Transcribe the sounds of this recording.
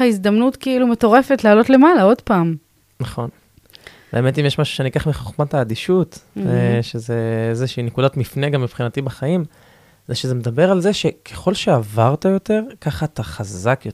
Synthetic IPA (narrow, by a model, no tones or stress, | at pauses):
aizd̪amnutkiilume̞to̞ʁe̞fe̞tlaːlo̞tle̞malao̞dpaːm | naχo̞n | beːme̞timjeʃmaʃu̥ʃenikaχmiχoχmataːd̪iʃut̪ | ʃeze̞ezeʃiːnekudatmifneɡamːipχinatibaχaim | zeʃeze̞med̪abe̞ʁalzeʃe̞kʰeχo̞lʃeavaʁt̪ajo̞t̪e̞ʁkaχaːt̪aχazakjo